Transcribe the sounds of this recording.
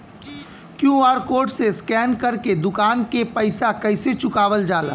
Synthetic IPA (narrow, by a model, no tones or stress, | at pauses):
kjũaːɾkoːɖseskɛːnkɐɾked̪ʊkaːnkepɐɪsakɐɪset͡ʃʊkaːʋəld͡ʒaːla̰ː